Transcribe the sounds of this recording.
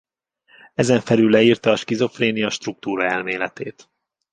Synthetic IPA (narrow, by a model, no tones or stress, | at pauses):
ɛzɛɱfɛlylːɛiːrt̪ɒːʃkizo̞freːnijɒʃt̪ruk̚t̪uːɾɒɛlmeːlɛt̪eːt̪